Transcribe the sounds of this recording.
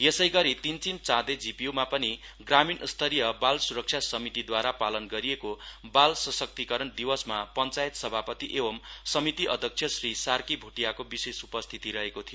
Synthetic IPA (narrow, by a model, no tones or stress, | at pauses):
jesʌjɡʌɾit̪int͡simt͡sãd̪ed͡zipiumapʌniɡraminst̪ʰʌɾijʌbalsuɾʌk̚t͡sʰjasʌmit̪id̪waɾapalʌnɡʌɾijekobalsʌsʌk̚t̪ikʌɾʌnd̪iwʌsmapʌnt͡sajet̪sʌbʱapʌt̪iʔebʌmsʌmit̪iʔʌ̰d̪ʱjʌk̚t͡sʰjʌsrisarkibʱuʈijakobisesupʌst̪ʰit̪iɾʌɦekot̪ʰijo